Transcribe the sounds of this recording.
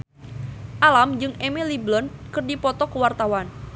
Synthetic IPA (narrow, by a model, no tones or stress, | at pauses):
ʔalamd͡ʒɨŋemeliblɔnkərdipɔt̪ɔkəwart̪awan